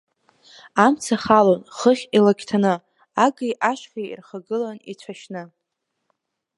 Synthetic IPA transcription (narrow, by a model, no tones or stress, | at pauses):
amt͡sʰaχalonχəχʲilaɡʲʰtʰanɨ | aɡijʔaʃχʲaḭrχaɡɨlanit͡ɕʷʰaʃnɨ